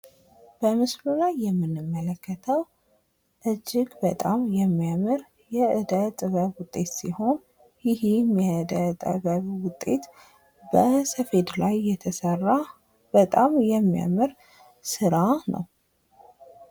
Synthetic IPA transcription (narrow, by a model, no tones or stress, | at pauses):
b̥əmɨslulajːɛmːɨnːɨmːələkːət̪ʰəw | ʔɨd͡ʒːɪɡbət̪ʼamjɛmːijamɨɾ | jɛʔɨd̪ət̪ʼəβəβwʊt̪ʼːe̞t̪siho̞n | jɪhimjɛɨd̪ət̪ʼə̰βəβwʊt̪ʼːe̞t̪ | bəsəfe̞d̪lajːɛt̪ʰəsərːa | b̥ət̪ʼamjɛmːija̰mɨɾ | sɨɾanə̰w